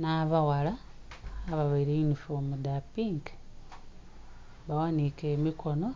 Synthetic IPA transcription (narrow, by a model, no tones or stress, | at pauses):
naβawalaː | βaβaiɾeinufomudapiŋɡ | βawanikemikʰo̞no̞